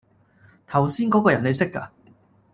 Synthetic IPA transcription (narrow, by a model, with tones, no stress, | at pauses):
t̪ʰɐ˨˩wsiː˥nkɔː˨˥kɔː˧jɐ˨˩ne˨˧jsɪ˥kːa̰˧